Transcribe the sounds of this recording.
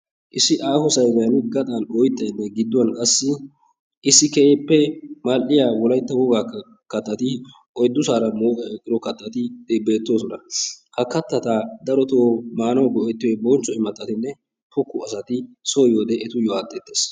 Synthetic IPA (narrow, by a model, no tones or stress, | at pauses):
ʔɪsːɪʔaːhɔsɐjɡɐjɐnɡɐt̪ʼaːnɔjt̪ːɐjnːɛɡɪd̪ːʊwɐnkʼɐsːɪ | ʔɪsːɪkɛeːpːɛmɐlʔɪjaːwɔlɐjt̪ːɐwɔɡa | kɐt̪ːɐt̪ɪ | ʔɔjd̪ːʊsaːɾɐmoːkʼɛɛkʼːɪɾɔkɐt̪ːɐt̪ɪd̪ebe̞ːt̪ːo̞ːsɔnɐhɐkɐt̪ːɐt̪aːd̪ɐɾɔt̪oːmaːnɐwɡɔɛt̪ːɪjɔbɔnt͡ʃːɔɛmːɐt̪ʼːɐt̪ɪnːɛ | pʊkːʊɐsɐt̪ɪsojoːd̪ɛʔɛt̪ʊjɔaːt̪ːɛt̪ːeːs